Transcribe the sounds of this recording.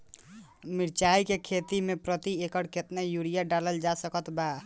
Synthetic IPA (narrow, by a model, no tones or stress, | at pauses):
miɾt͡ʃaikekʰet̪imepɾət̪iekəɽket̪nejuɽijaɖaləld͡ʒasəkət̪ba